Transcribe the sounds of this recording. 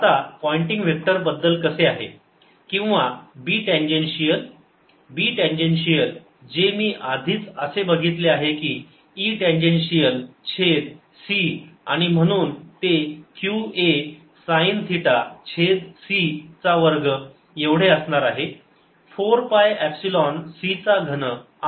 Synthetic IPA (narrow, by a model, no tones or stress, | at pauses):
at̪apɔiɳʈiŋɡʋek̚ʈəɾbəd̪ːəlkəseaɦḛ | kĩw̃ʋabiːʈẽnd͡ʑenɕijəl | biːʈẽnd͡ʑenɕijəl | d͡ʑemiːʔad̪ʱiːt͡səsebəɡʱit̪leaɦekiː | iːʈẽɲd͡ʑenɕijəlt͡ɕʰed̪ | siaɽ̃im̤əɽ̃uːnt̪ekjue | saint̪ʰiʈat͡ɕʰed̪sit͡saʋəɾɡə | jeʋɽ̤eəsɳaɾaɦe | foɾpajæpsilɔnsit͡saɡʱənə